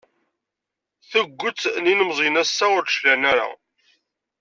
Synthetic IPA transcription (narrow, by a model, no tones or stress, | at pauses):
θəɡʷːət͡sːninəmzˤinæsːaʊɾʃlænæɾa̰